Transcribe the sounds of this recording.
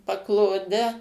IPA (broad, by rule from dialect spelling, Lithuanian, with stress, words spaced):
pɐklˠoːˈdʲɛ